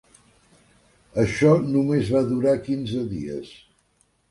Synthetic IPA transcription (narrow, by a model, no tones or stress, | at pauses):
əʃɔnumezβaðuɾakinzəðḭə̰s